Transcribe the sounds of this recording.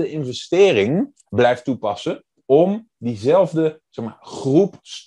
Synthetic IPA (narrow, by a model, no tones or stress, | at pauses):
əɪnvɛstɪːrɪŋ | blɛjftupɑsə | ɔm | dizɛlˠvdəz̥ɛχma̰ːɹχrups